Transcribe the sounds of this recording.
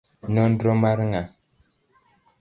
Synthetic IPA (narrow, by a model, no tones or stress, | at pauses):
nɔn̩dɾɔmaɾŋa